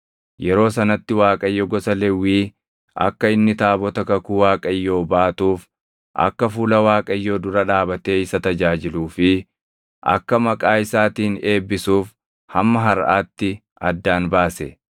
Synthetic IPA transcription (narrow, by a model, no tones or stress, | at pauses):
jɛɾo̞ːs̬ɐnɐt̪ːɪwaːkʼɐjːɔɡɔsɐlɛwːiː | ʔɐ̰kːɐɪnːɪt̪aːbɔt̪ɐkɐkuːwaːkʼɐjːo̞ːbaːt̪uːf | ʔɐ̰kːɐfuːlɐwaːkʼɐjːo̞ːd̪ʊɾɐᶑaːbɐt̪e̞ːɪsɐt̪ɐd͡ʒaːd͡ʒɪluːfɪ | ʔɐ̰kːɐmɐkʼaːɪsaːt̪iːne̞ːbːɪsuːf | hɐmːɐɦɐɾʔa̰ːt̪ːɪ | ʔɐd̪ːaːnbaːsɛ